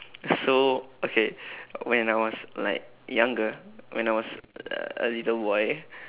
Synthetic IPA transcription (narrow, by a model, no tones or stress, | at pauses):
sookʰewɛ̃najwɔsla̰ɪk̚ | jãŋɡəwɛ̰̃naɪwɔsʌ̰ə̰litəlbɔɪ